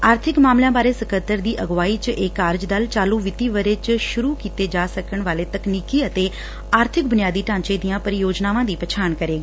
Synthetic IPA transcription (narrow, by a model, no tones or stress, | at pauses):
aːɾt̪ʰɪkmaːmlãːbaːɾeːsəkət̪əɾd̪iːʔəɡʋaːiːt͡ʃeːkaːɾd͡ʒd̪əlt͡ʃaːluːʋɪt̪iːʋəɾeːt͡ʃʃʊɾuːkiːt̪eːd͡ʒaːsəkəɳʋaːleːt̪əkniːkiːət̪eː | aːɾt̪ʰɪk̚bʊnjaːd̪iːʈãːɲt͡ʃeːd̪ijãːpəɾɪjoːd͡ʒnaːʋãːd̪iːpət͡ʃʰaːɳkəɾeːɡiː